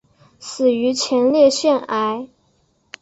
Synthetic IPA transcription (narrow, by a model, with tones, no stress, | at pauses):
sɹ̩˨˩y˧˥t͡ɕʰjɛ˧˥nljɛ˥˧ɕɥɛ˥˩na˧˥ɪ